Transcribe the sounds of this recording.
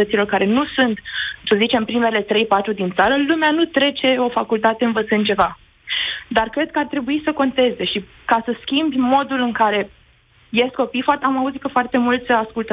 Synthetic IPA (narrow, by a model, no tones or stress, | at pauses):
ət̪silo̞rkaɾe̞nusunt̪səzit͡ʃe̞mpɾime̞le̞t̪ɾe̞jpat̪ɾud̪int̪saɾəlumeanut̪ɾe̞t͡ʃe̞o̞fakult̪at̪eɨnvət̪sɨnd̪̚t͡ʃe̞va | d̪arkɾe̞d̪̚kəart̪ɾe̞buisəko̞nt̪e̞ze̞ʃi | kasəskʲimbʲmo̞d̪ulɨŋkaɾe̞ | je̞st̪̚ko̞pijfat̪amauzit̪kəfoart̪e̞mult̪sʲəaskult̪ə